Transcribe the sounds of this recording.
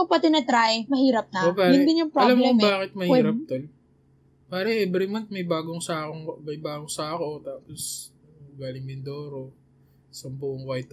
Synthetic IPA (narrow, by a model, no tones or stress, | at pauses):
ʊŋpɐt̪ɪnɛt̪ɾaʔmɐhiːɾɐp̚nɐopaːɾɪd̪ɪnʊŋpɾɐlɐmɛbaːkɪt̪̚mɐhiːɾɐp̚t̪ol | paːɾɐʔɛbɾɪmɐnt̪̚mɐjbaːɡoŋsaːkoŋbɐjbaːɡoŋsaːɐko̞t̪aːpos | ɡaːlɪŋmɪnd̪oːɾo | sɐmbʊʔoŋkɐjt̪